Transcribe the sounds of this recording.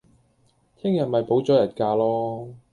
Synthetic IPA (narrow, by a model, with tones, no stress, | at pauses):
t̪ʰɪ˥ŋjɐ˨nmɐ˨˩jpo˨˥wt͡sɔː˨˥jɐ˨˩nkaː˧lɔː˥